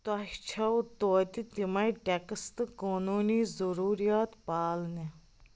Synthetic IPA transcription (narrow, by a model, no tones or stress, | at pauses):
t̪ɐht͡ʃʰɐwt̪oːt̪it̪imɐjʈekəst̪ɨkoːnuːniːzuɾuːɾijaːt̪paːlni